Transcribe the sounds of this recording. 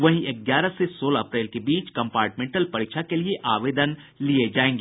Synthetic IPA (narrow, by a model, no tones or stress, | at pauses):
ʋɐɦĩʔɪɡjaːɾəsesoːlaɐpɾeːlkebiːt͡ʃkɐ̃mpaːɾʈmẽːɳʈəlpɐɾikʃʰakelieʔaːʋeːd̪ən | lied͡ʒaːẽːŋɡeː